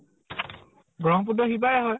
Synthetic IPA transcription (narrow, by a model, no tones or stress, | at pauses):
ɡɹɔŋp̬udɔxibajaɦɔj